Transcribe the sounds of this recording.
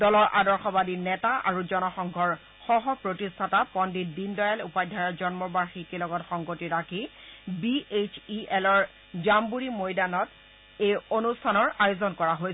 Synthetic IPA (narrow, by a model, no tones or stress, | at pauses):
dɔlɔɹʔadɔɹxɔbadinɛtaʔa̰ɹuzɔnɔxɔŋɡʱɔɹ | xɔɦɔpɹotistʰatapɔndidindɔjalupajdʱaɹɔzɔnmɔbaɹxikilɔɡɔtxɔŋɡotiɹakʰi | biet͡ʃʰiɛlɔɹ | zambuɹimojdanɔt | ejonustʰanɔɹajozɔnkɔɹaɦoj